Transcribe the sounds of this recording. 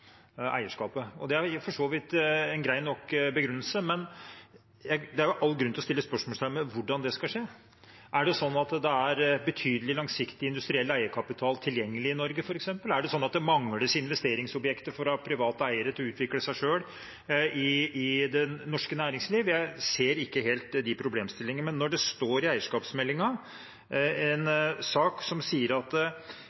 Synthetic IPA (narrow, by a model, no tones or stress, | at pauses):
ʔæ̰ɪəʂkɑːpəɔ̰d̪ɛæɾfɔʂoːʋɪt̪ɛnɡɾæɪnɔkːbəɡɾʉnːəlsəmɛn | jæɪd̪ɛæɾjʊʔɑlːɡɾʉnt̪ɔst̪ɪlːəspœʂmɔːlsʰæməʋʊɖɑnd̪ɛskɑlʂeː | ʔæɖɛsɔnːɑt̪d̪ɛæɾbət̪ʰyːd̪əlɪlɑŋsɪkt̪ɪɪnd̪ʉst̪ɾɪɛlːæɪəkʰɑpɪt̪ʰɑːlt̪ʰɪljɛŋːəlɪɪnɔɾɡəfɔɾɛksɛmpəlæɖɛsɔnːɑt̪̚d̪ɛmɑŋləsɪnʋɛst̪eːɾɪŋsɔbjɛkt̪əfɔɾɑpʰɾɪʋɑːt̪əæɪəɾət̪ʰɪɔʉːt̪ʰʋɪkləsæɪʂøːɽ | ɪɪd̪ɛnɔʂkənæːɾɪŋsliːʋjæɪseːɾɪkːəɦeːlt̪d̪ɪpʰɾʊbleːmst̪ɪlːɪŋənəmɛnːɔɖɛst̪oːɾɪæɪəʂkɑːpsmɛlːɪŋɑ | ɛnsɑːksɔmsiːəɾɑt̪